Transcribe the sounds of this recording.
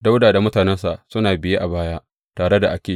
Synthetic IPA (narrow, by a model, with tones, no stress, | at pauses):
da˦wdaː˨da˨mʊ˦taː˨nɛ˦nsa˨ʔsʊ˦naː˨bɪ˨je˦ʔa˨baː˦jaː˦ | taː˨ɽe˦da˨ʔa˦kʲeː˨